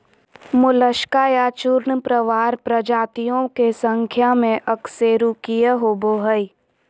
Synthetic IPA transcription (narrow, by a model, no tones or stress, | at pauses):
mʊləʃkaːjat͡ʃʊɾɳpɾəʋaːɾpɾəd͡ʒaːt̪ijõkesə̃ŋkʰjamẽʔɐkseːɾukijəɦoːboːɦəi